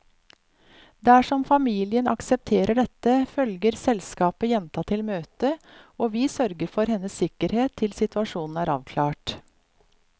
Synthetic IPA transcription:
d̪æʂɔmfɑmiːlɪənʔɑ̰ksɛp̚t̪ʰeːɾəɖɛt̪əfœlɡəɾsɛlskɑːpəjɛnt̪ɑt̪ʰɪlmøːt̪əoːʋiːsœɾɡəɾfɔɾhɛnːəsɪkəɾheːt̪ʰːɪlsɪt̪ʉɑʂuːnn̩æːɾɑ̰ːʋkʰlɑːʈ

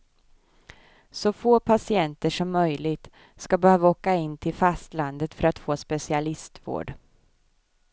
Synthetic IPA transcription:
sɔfoːpʰasɪɛnt̪əʂɔmːœjlɪɡt̪ | skabɛhøːvaoːkaɪnːt̪ʰɪlfast̪land̪ət̪fœɾat̪foːspɛsɪalɪst̪vo̰ːɖ

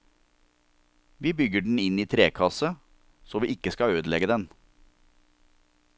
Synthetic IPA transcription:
ʋiːbʏɡəɖɳ̩ɪniːt̪ʰɾeːkʰɑsə | soːʋiːʔɪkəskɑøːd̪lɛɡəd̪ɛn

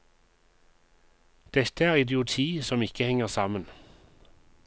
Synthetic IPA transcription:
d̪̥ɛt̪əæːʁɪd̪ɪʊt̪ʰiːsɔmɪkəhɛŋəʁsɑːmən

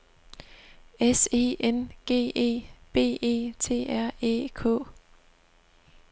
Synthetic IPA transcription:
ese̝̰ːʔenɡ̥e̝̰ːe̝̰ːb̥e̝̰ːe̝̰ːt͡sʰe̝̰ːæɐ̰ḛːkʰɔ̰̽ː

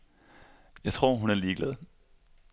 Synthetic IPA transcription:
jɑ̈ɪt͡sʰʁo̝ɐ̰ɦunæɐliːɡ̥lɛð̞̩ˠ

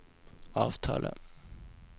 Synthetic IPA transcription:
ɑːvt̪ʰɑ̰ːlə

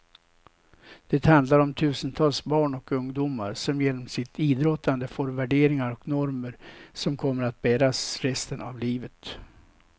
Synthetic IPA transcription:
d̪̥ɛt̪hand̪laɾɔmt̪ʰʉ̟ːsənt̪ʰɑːlsbɑːɳɔkɵŋd̪uːma̰ɾsɔmjeːnɔmsɪt̪ʰiːd̪ɾɔt̪ːand̪əfoːɾvæɖeːɾɪŋaɾɔknɔɾməɾsɔmkʰɔmːəɾat̪̚bæːɾasɾɛst̪əna̰vliːvət̪

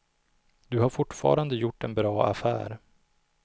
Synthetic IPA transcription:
d̪̥ɵɦaɾfʊʈːfɑ̰ːɾand̪əjʊʈːɛnbɾɑːa̰fæ̰ːɾ

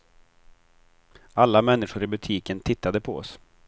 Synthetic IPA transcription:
alːamɛnːɪʂʊɾɪbɵt̪ʰiːkənt̪ʰɪt̪ːad̪əpʰɔ̰ɔ̰s

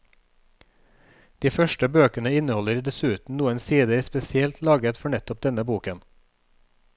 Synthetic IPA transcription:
d̪̥iːfœʃʈəbøːkənəɪnəhɔləɾd̪ɛsʉːt̪n̩nuːənsiːd̪əɾspɛsɪɛlt̪lɑːɡət̪fɔɳɛt̪ɔp̚d̪ɛnəbuːkən

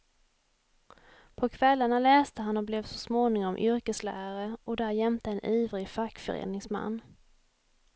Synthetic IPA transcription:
pʰɔkʰvɛlːəɳalɛːst̪əɦanɔblɛvsɔsmoːnɪŋɔmʔʏɾkəslæ̰ːɾaɾəʔɔd̪æɾjɛmt̪əɛnʔyːvɾɪfakːfœ̰ɾḛːnɪŋsma̰nː

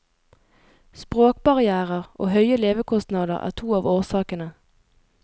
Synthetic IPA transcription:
spʁoːk̚bɑʁɪæːʁəʁʔo̰ːɦœʏəleːʋəkʰɔst̪nɑːd̪ə̰ʁæ̰ːʁt̪ʰuːɑːʋoːʁsɑːkənə

